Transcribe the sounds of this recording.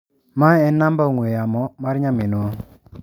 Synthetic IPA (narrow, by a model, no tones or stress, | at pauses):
maɛnambaoŋwejamɔmaɾɲaminɔ